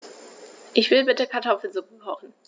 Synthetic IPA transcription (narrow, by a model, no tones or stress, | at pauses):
ʔɪçv̥ɪlbɪtəkʰaɐtʰɔfl̩zoːɡuːthɔχn̩